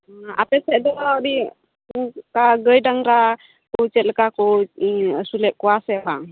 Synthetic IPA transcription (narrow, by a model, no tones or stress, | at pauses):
a̰pɛsɛʔd̪ɔawɾi | kaɡəjɖaŋɾa | kɔwt͡ʃɛt̪lkakɔ | sulɛʔ̚kɔasɛbaŋ